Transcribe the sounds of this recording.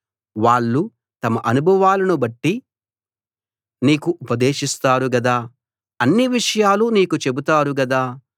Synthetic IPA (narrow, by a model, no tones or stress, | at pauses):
ʋaːɭːu | t̪ɐmɐʔɐnubʱɐʋaːlɐnubɐʈːi | niːkuʔupɐd̪eːʃist̪aːɾuɡɐd̪aː | ɐnːiʋiʂɐjaːluniːkut͡ʃe̞but̪aːɾuɡɐd̪aː